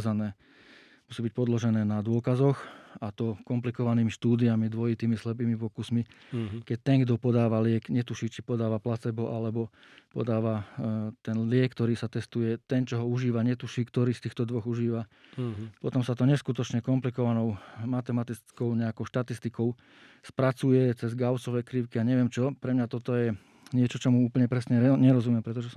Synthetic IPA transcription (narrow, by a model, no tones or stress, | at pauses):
zanɛː | musiːbic̚pɔd̪lɔʒɛnɛːnad̪ʊɔkazɔxat̪ɔkɔmplikɔʋaniːmiʃt̪uːd̪iamid̪ʋɔjit̪iːmislɛp̬iːmipɔkusmikɛc̚t̪ɛŋɡd̪ɔpɔd̪aːʋalɪɛkɲɛt̪uʃiːt͡ʃipɔd̪aːʋaplat͡sɛbɔʔalɛbɔ | pɔ̰d̪aːʋat̪ɛnlɪɛkːt̪ɔɾiːsat̪ɛst̪ujɛt̪ɛnt͡ʃɔɦɔuʒiːʋaɲɛt̪uʃiːkt̪ɔɾiːst̪iːxt̪ɔd̪ʋɔɣuʒiːʋa | pɔt̪ɔmsat̪ɔɲɛskut̪ɔt͡ʃɲɛkɔmplikɔʋanɔʊmat̪ɛmat̪it͡skɔʊɲɛakɔʊʃt̪at̪ist̪ikɔʊ | spɾat͡sujɛt͡sɛzɡaʊsɔʋɛːkɾiʊkiaɲɛʋɪɛmt͡ʃɔpɾɛmɲat̪ɔt̪ɔjɛ | ɲɪɛt͡ʃɔt͡ʃɔmuuːpl̩ɲɛpɾɛsɲɛɲɛɾɔzumɪɛmpɾɛt̪ɔʒɛsɔ